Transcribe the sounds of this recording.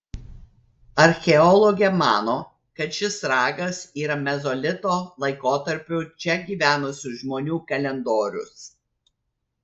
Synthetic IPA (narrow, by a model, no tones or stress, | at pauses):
ɐɾʲxʲɛɔlˠɔɡʲɛmɑːnoː | kɐt̪ʃʲɪsɾɑːɡɐsiːɾɐmʲɛzɔlʲɪt̪oːlˠɐɪkoːt̪ɐɾʲpʲʊt͡ʃʲɛɡʲiːʋʲæːnʊsʲʊʒmoːnʲuːkɐlʲɛnd̪oːɾʲʊ̰s